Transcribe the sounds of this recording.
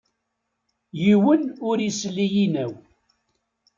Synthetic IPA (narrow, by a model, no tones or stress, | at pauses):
jiwənʊɾislːijinæw